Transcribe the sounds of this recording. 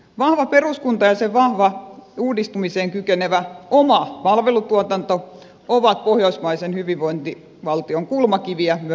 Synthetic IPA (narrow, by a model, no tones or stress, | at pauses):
ʋɑhʋɑperuskunt̪ɑjɑseʋɑhʋɑuːdist̪umiseːŋkykeneʋæomɑpɑlʋelut̪uot̪ɑnt̪o | oʋɑt̪̚pohjoismɑisenhyʋiʋʋoint̪i | ʋɑlt̪ioŋkulmɑkiʋiæmy